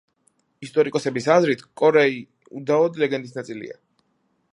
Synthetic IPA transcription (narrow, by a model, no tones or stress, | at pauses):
ist̪ʼɔɾikʼɔsɛbisazɾit̪ʰkʼɔɾɛi | ud̪aɔd̪lɛɡɛnd̪isnat̪sʼilḭa̰